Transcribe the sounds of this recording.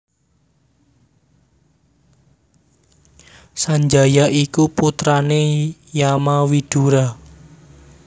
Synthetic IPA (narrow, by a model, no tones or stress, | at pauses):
saɲd͡ʒajaʔikuput̪ɾanejamawid̪̥uɾa